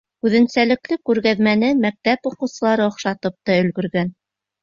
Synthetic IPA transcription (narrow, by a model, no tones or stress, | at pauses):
ʉðɘ̆nsælɘ̆klɘkʉɾɣæðmænɘmæk̚t̪æpuqɤ̆wsɤ̆lˠɑɾɤŏχʃɑt̪ɤp̚t̪ɑɵ̆lɡɵ̆ɾɡæn